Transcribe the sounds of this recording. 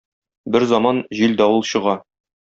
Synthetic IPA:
bɘɾzɑmɑnʑild̪æwɤlˠɕɤ̆ʁɑ

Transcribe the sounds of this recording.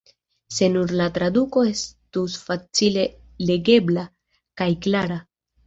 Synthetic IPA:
se̞nuɾlatɾad̪uko̞e̞stusfat͡sile̞ | le̞ɡe̞bla | kajklaɾa

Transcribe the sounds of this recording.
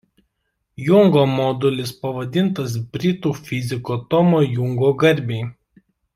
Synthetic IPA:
jʊŋɡoːmɔːd̪ʊlʲɪspɐʋɐd̪ʲɪnt̪ɐsbʲɾʲɪt̪uːfʲɪzʲɪkoːt̪ɔmoːjʊŋɡoːɡɐɾʲˑbʲeɪ

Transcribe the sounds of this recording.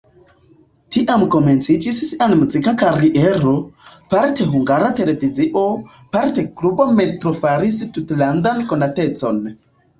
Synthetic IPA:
tiʔamko̞me̞nt͡sid͡ʒissianmuzikakaɾiʔeɾo̞paɾte̞ɦuŋɡaɾate̞le̞viziʔo̞ | paɾteklubometɾofaɾis̬tutland̪anko̞nate̞t͡so̞n

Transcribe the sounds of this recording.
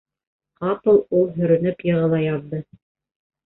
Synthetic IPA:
qɑpɤ̆lˠulˠɦɵ̆ɾɵ̆nɵpjɤ̆ʁɤ̆lˠɑjɑðːɤ

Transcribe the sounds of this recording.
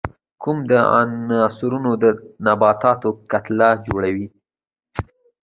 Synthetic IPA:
kʰumd̪əa̰ɑsʊɾunod̪ənabɑt̪ɑt̪okat̪lad͡ʒoɽawi

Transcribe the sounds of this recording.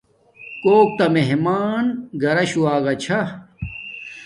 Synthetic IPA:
koːk̚t̪ɐmeɦmaːnɡɐɾɐɕuwaːɡɐt͡ɕʰɐ

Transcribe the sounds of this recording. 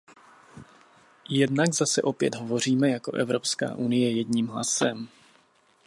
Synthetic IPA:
jɛdnaɡzasɛʔo̞pjɛd̪ɦo̞vo̞r̝iːmɛjako̞̰ʔɛvɾo̞pska̰ːʔunɪjɛjɛdɲiːmɦla̰sɛm

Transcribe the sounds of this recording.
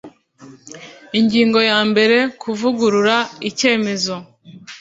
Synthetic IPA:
iɲɟiːŋɡo̞jaːmbe̞ɾe̞kʰuvuɡuɾuɾaice̞ːme̞zo̞

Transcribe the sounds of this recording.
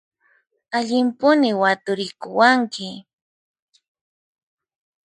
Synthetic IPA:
aʎɪmpʊnɪwat̪ʊɾɪkʊwaŋkɪ

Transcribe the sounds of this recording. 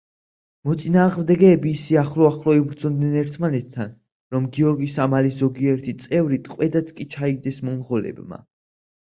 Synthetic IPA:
mɔt̪sʼinaːʁmd̪ɛɡɛːbiːsiaχlɔaχlɔibɾd̪zɔd̪nɛnɛɾt̪ʰmanɛt̪ʰːan | ɾɔmɡiɔɾɡisamalizɔɡiɛɾt̪ʰit̪sʼɛvɾit̪ʰʼqʼwɛd̪at̪sʰkʼit͡ʃʰaiɡ̚d̪ɛsmɔnʁɔlɛ̰bma̰

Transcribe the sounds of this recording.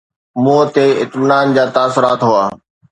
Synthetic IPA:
muːt̪eːɪt̪mɪnaːnd͡ʑaːt̪aːsʊɾaːt̪ɦʊaː

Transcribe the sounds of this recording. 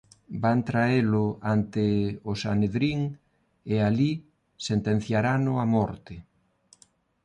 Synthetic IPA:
bant̪ɾaelʊant̪ɪʊsaneðɾiŋ | eali | sent̪en̟θjaɾanʊamɔɾt̪ɪ

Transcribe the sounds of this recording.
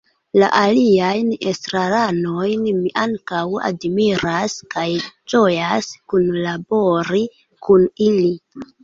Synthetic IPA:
la̰ʔaliajnestɾaɾano̞jnmiʔaŋkawa̰dmiɾaskajd͡ʒo̞jaskunlabo̞ɾi | kʰunili

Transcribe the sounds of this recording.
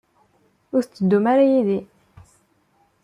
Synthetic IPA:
ʊɾθt͡sːəd̪ːumaɾajiði

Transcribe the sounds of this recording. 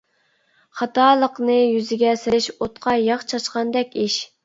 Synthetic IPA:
χɑt̪ɑːlˠəqnɨjyzɪɡʲɛsɪɾɪʃot̪qʰɑjɑχt͡ʃʰɑt͡ʃqɑnd̪ɛkʲiʃ

